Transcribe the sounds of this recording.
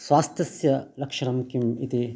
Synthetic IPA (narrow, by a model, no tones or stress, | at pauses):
sʋaːst̪jɐsjɐlɐkʂɐɾɐmkimit̪i